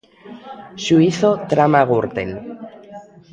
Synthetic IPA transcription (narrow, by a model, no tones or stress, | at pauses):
ʃuiθot̪ɾamaɣuɾt̪ḛl